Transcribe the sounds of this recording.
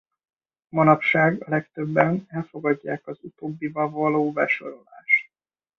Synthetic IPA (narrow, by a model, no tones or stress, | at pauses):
mɒnɒpʃaːɡɒlɛkt̪ø̞bːɛnɛlfo̞ɡɒɟːaːkɒzut̪oːbːivɒvɒloːbɛʃo̞ɾo̞laːʃt̪